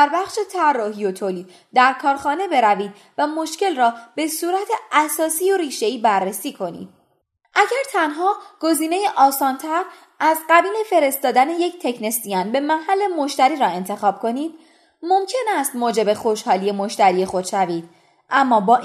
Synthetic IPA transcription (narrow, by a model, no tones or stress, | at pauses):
d̪æɾbæχʃe̞t̪ʰærːɒːɦijo̞t̪ʰoːliːd̪̥ | d̪æɾkʰɒːɾxɒːne̞be̞ɾæviːd̪̚ | væmo̞ʃce̞lrɒːb̥e̞suːɾæt̪ʰeʔæsɒːsiːoɾiːʃe̞iːbærːesiːkʰo̞nḭːd̪̥̚ | ʔæɟæɾt̪ʰænɦɒːɡ̥o̞ziːne̞jeʔɒːsɒːnt̪ʰæɾ | æzɢæbiːne̞fe̞ɾe̞st̪ɒːd̪æne̞je̞ct̪ʰe̞cʰnest̪ijɒnbe̞mæhælːe̞mo̞ʃt̪æɾiːɾɒːe̞nt̪ʰe̞xɒːb̥̚kʰo̞niːd̪̥̚ | mo̞mcʰe̞næst̪moːd͡ʒe̞be̞xo̞ʃhɒːlije̞mo̞ʃt̪æɾije̞xo̞d̪̥ʃæviːd̪̥̚ | ʔæmːɒːbɒːʔ